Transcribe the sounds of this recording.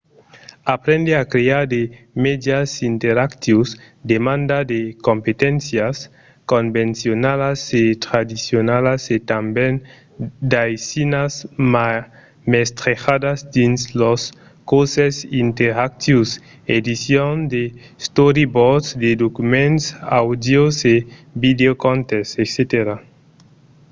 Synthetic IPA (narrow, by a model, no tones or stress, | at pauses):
apɾẽnd̪eakɾeaɾd̪e | med̪jasint̪eɾakt̪jus | d̪emãnd̪ad̪ekompet̪ẽnsjas | kombẽnsjonalaset̪ɾad̪isjonalaset̪amben | d̪ajsinasma | mest̪ɾexad̪azd̪inslos | kosesint̪eɾak̚t̪jus | ed̪isjond̪e | st̪oɾibodsd̪ed̪okumẽntsawd̪josebid̪eokont̪esekset̪eɾa